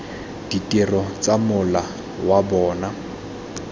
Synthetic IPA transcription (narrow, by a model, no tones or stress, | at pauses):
d̥itʼɪrɔt͡sʼamʊla | wabɔːna